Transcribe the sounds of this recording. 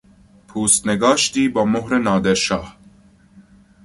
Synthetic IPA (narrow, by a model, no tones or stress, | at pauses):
pʰuːst̪nɛɡɑːʃt̪iːbɐmoɦɾenɑːd̪ɛɾʃɑːh